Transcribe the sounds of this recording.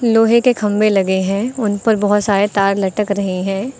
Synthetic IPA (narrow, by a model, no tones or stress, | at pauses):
loːɦekekʰɐ̃mbelɐɡeɦɛ̃ːʊnpɐɾbɐɦʊt̪saːɾet̪aːɾlɐʈəkɾɐɦiɦɛ̃ː